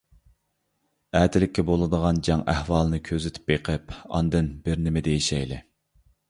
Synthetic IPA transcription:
æːt̪ʰɪlɪkʲːɛbolˠɨd̪əʁɑnd͡ʒɑŋʔæhwɑːlˠɨnɨkʲʰøzɪt̪ʰy̥p̚ːeqʰəpɑ̰nd̪ɨnbɪɾnɪmɪd̪ejeʃɛjlɪ̰

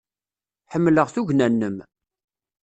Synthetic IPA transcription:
ħəmːləʁθuʝnænːəm

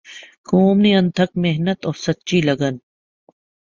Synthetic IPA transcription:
koːmniɐnt̪ʰɐk̚meɦnət̪ɔːɾsɐtːt͡ʃiːlɐɡən

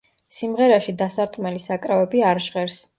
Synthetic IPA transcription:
simʁɛɾaʃid̪asaɾt̪ʼqʼmɛlisakʼɾavɛbiaɾʒʁɛɾs

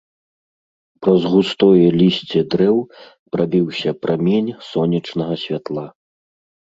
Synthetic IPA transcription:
pɾɐzɣust̪ɔjɛlʲisʲt͡sʲɛd̪ɾɛw | pɾabʲiwsʲɐpɾʔamʲenʲsɔnʲɐt͡ʂnɐɣɐsʲvʲat̪lˠa

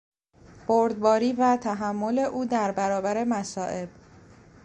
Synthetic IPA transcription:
b̥oɾd̪bɒːɾiːvæt̪ʰæɦæmːo̞le̞ʔuːd̪æɾbæɾɒːbæɾe̞mæsɒːʔe̞b̥

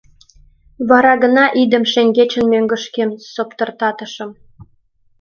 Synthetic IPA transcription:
βɑɾɑɣə̆nɑʔid̪ə̆mʃeŋɡet͡ɕə̆nmøŋɡə̆ʃkemsopt̪ə̆rt̪ɑt̪ə̆ʃə̆m

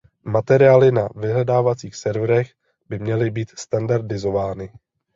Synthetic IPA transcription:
mat̪ɛɾɪaːlɪnavɪɦlɛdaːvat͡siːxsɛɾvɾɛɣ | bɪmɲɛlɪbiːt̪st̪andaɾdɪzo̞vaːnɪ

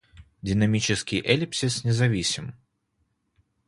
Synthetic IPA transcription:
d̪ʲɨnamʲit͡ʃɪskʲijʔɛlʲipsʲisnʲɛzavʲisʲim

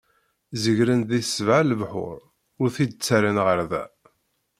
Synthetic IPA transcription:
zəʝɾənðisvʕaləvħʊ̰ɾˤ | ʊɾθid̪̚t͡sːaɾənʁəɾðæ̰

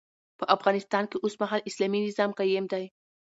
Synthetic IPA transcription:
pəʔafɣɑnɪst̪ɑnkeʔosmaɦalɪslaminɪzɑmqajemd̪aj

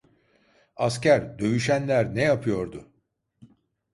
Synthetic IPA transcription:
ascæɾd̪ø̞jyʃænlʲæɾnejapʰɯjo̞ɾd̪ʊ

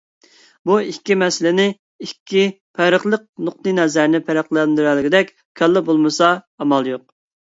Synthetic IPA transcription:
buikʲːimɛsɪlɪnɪ | ikʲʰːi | pʰɛɾəχlˠəq̚nʊqt̪ɨnɛzæɾnɪpʰæɾæqlˠɛnd̪yɾælɪɡʲid̪ɛkʲ | kʲʰɛlːɪbolˠmɨsɑː | mɑlˠjoq̚

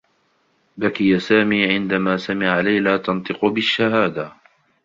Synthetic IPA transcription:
bakɪjasaːmiːʕɪnd̪amaːsamɪʕalajlaːt̪ɑnt̪ˤɨqʊbɪʃːaɦaːd̪a

